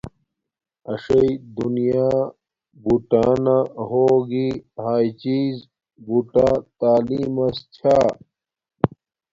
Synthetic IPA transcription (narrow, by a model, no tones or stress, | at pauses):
ɐʂɐid̪unijaː | buʈaːnaɦoːɡihaːjt͡ɕiːz | buʈat̪aːliːmɐst͡ɕʰaː